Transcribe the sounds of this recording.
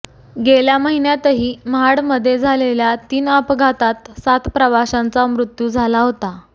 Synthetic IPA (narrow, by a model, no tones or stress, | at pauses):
ɡeljaməɦinjat̪əɦiːmɦaɽməd̪ʱːjed͡zʱaleljat̪iːnəpɡʱat̪at̪sat̪pɾəʋaɕãnt͡samɾut̪juːd͡zʱalaɦot̪a